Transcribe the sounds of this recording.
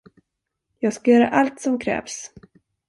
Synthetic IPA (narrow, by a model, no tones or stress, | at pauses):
jɑːɡskajœːɾa̰ʔalt̪sɔmkʰɾɛ̰ːvs